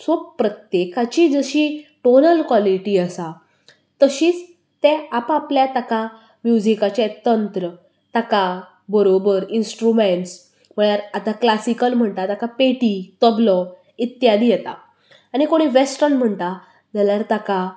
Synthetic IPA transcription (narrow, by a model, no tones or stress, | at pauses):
sob̚pːɾət̪jekat͡ɕiːd͡zəɕiːʈonəlkwɔliʈiːəsa | t̪əɕiːt͡s | t̪ɛapapljat̪aka | mjud͡ʑikat͡ɕet̪ənt̪ɾə | t̪aka | bəɾobəɾinsʈɾumeɳʈs | m̤əɭjaɾat̪aklasikəlm̤əɳt̪at̪akapeʈit̪əblɔ | it̪jad̪ijɛt̪a̰ | añikoɽ̃iʋesʈənm̤əɳt̪a | d͡zaljaɾt̪aka